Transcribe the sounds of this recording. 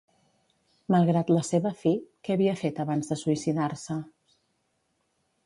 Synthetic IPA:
məlˠɣɾat̪ləseβəfikeəβiəfet̪əβanzðəsuisiðarsə

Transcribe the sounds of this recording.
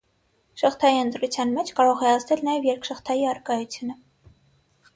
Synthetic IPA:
ʃəχt̪ʰɑjiənt̪ɾut͡sʰjɑnmɛt͡ʃʰkɑɾɔʁɛɑzd̪ɛlnɑjɛvjɛɾkʃəχt̪ʰɑjiɑɾkɑjut͡sʰjunə

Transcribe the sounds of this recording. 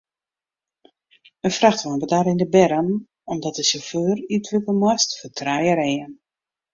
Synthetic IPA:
ənfraxtʋɔnbədaːɾɪndəbɛɾən | ɔmdɔt̚dəsoføːrytʰʋəkəlˠmwɔstfətʰrajəɾeən

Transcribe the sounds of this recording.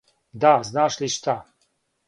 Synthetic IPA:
d̪aznaːʃliʃt̪ʰa

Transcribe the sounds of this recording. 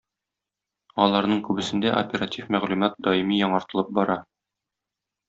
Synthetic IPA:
ɒlˠɑɾnɤɴkʉbɘ̆sɘ̆nd̪æʔo̰pʲeɾatʲifmæʁlʉmɑt̪̚d̪ɒimijɒɴɑɾt̪ɤ̆lˠɤp̚bɒɾɑ

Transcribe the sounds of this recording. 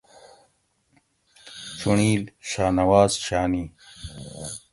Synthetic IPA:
t͡ɕuɳiːlɕaːnɐwaːzɕaːniː

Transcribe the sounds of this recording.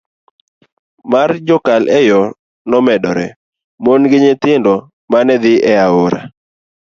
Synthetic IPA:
mard͡ʒɔkalʔɛjɔ | nɔmɛɗɔɾɛ | monɡɪɲɪt̪ɪndɔ | manɛd̪ɪɛaoɾa̰

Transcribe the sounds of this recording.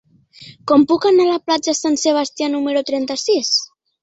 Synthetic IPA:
kɔmpukanalaplad͡ʒasanseβ̞ast̪janumeɾut̪ɾɛnt̪asis

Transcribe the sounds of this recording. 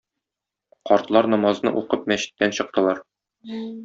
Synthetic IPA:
qɒɾt̪lˠɑɾnɒmɑznɤ̰ʔuqɤpmæɕɘ̥̆t̪ːænɕɤ̆q̚t̪ɤ̆lˠɑɾ

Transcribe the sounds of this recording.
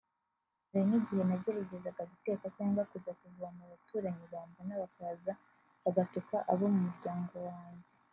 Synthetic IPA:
ɾeɲiɟihe̞naβɟoɾuɟezaɡaβite̞ːkacaːŋɡwakuzakuvuβamuβatuːɾaɲiβaːmbanaβakaza | βaɡatukaʔaβo̞mumuɾɟaːŋɡo̞waːɲɟe

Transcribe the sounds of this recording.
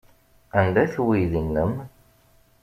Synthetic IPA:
ænd̪æθwiðinːəm

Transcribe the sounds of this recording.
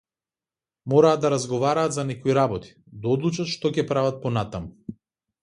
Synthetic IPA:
mɔɾaːd̪d̪aɾazɡɔvaɾaːt̪zanɛkɔiɾabɔt̪i̥ | d̪aɔd̪lˠut͡ʃat̪ʃt̪ɔcɛpɾavat̪̚pɔnat̪amu

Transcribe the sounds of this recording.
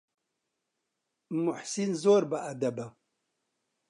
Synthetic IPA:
mʊħsinzoːɾbɐʔɐd̪ɐbɐ

